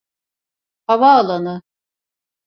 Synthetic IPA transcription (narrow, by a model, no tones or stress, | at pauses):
havaːlˠanɯ